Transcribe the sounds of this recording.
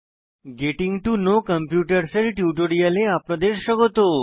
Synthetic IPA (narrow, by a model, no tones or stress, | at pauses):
ɡeʈĩŋɡʈunokəmpjuʈəɾselʈjuʈoɽijəleapɽõd̪eʃːəɡot̪o